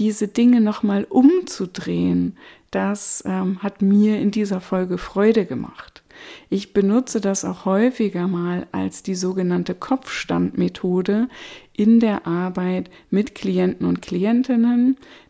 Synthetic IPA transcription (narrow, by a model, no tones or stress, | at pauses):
d̥iːzədɪŋənɔχmaːlʔʊmt͡sudʁeːənd̥asʔɛːmhatmiːɐɪndiːzɐfɔlɡəfʁ̥ɔʏɾəɡəmʔa̰χtʔɪçb̥ənʊt͡sədasa̰ʊxhɔʏfɪɡɐmaːlʔa̰lsd̥iːzoːɡənantəkʰɔp͡fʃtantmetʰoːdəʔɪndeːɐʔaɐbaɪt | mɪtkʰliɛntn̩ʊntkʰl̥iɛntɪnən